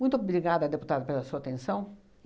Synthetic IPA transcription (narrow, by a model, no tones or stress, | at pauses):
mũj̃t̪ʊobɾiɡad̪ɐd̪eput̪ad̪ɐpelɐsuɐat̪ẽsɐ̃w̃